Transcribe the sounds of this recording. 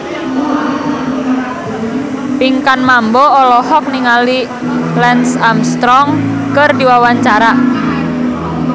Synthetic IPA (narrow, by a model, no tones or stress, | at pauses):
piŋkanmambɔɔlɔhɔk̚niŋali | lɛnsamst̪ɾɔŋkərdiwawaɲt͡ʃaɾa